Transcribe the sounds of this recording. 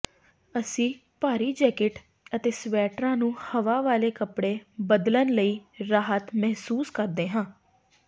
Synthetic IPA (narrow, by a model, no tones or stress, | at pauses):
əsĩː | paːɾiːd͡ʒɛːkɪʈ | ət̪eːsʋɛːʈɾãːnũːhəʋaːʋaːleːkəpɽeːbəd̪lənləiːɾaːɦət̪mɛɦsuːskəɾd̪eːɦãː